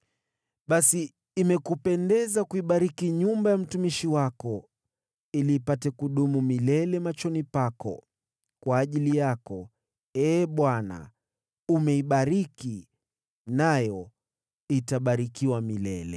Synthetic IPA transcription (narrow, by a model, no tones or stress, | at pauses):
ɓasiː | mɛkupɛndɛzakuiɓaɾikiɲumbajam̩tumiʃiwakɔ | iliːpatɛkuɗumumilɛlɛmat͡ʃɔnipakɔ̰ | kwaːʄilijakɔ | ɛːɓwana̰ | umɛiɓaɾiki | najɔ | itaɓaɾikiwamilɛlɛ̰